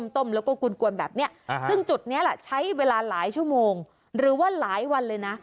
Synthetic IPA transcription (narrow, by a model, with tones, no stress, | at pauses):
mt̪o˥˩mlɛː˦˥wkɔː˥˩ku˧nku˧ənbɛː˨˩p̚ni˦˥ɐɯ˥˩ŋt͡ɕu˨˩t̪̚ni˦˥ɐla˨˩t͡ɕʰa˦˥jweː˧laː˧laː˩˦jt͡ɕʰu˥˩əmoː˧ŋ | ɾɯː˩˦waː˥˩laː˩˦jwa˧nlɤː˧jna˦˥